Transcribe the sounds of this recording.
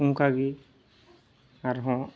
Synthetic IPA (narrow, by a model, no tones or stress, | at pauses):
ũŋkaɡi | aɾɦɔ̃